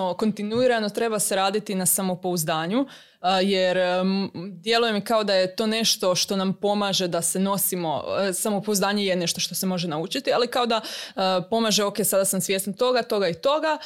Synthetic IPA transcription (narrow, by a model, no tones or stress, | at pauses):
oko̞nt̪inuiɾano̞t̪ɾe̞baseɾaːd̪it̪inasamo̞po̞uzd̪aːɲu | jeɾ | d̪je̞luje̞mikao̞d̪ajet̪o̞ne̞ʃt̪o̞ʃt̪o̞nampo̞maːʒe̞d̪ase̞no̞simo̞̰samopouzd̪aːɲeje̞ne̞ʃt̪o̞ʃt̪o̞semo̞ʒenaut͡ʃit̪ialikao̞d̪apo̞maːʒeo̞kesad̪asamsʋje̞snt̪o̞ɡat̪o̞ɡait̪o̞ɡa